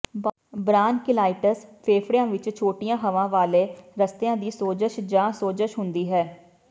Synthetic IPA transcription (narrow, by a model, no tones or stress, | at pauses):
bɾaːnkɪlaːɪʈəspʰeːpʰɾijãːʋɪt͡ʃt͡ʃʰoːʈijãːɦəʋãːʋaːleːɾəst̪ejãːd̪iːsoːd͡ʒəʃd͡ʒãːsoːd͡ʒəʃɦʊnd̪iːɦɛː